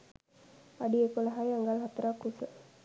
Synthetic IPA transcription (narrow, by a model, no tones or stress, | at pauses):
aɖiekoləɦajaŋɡalɦat̪əɾakːusə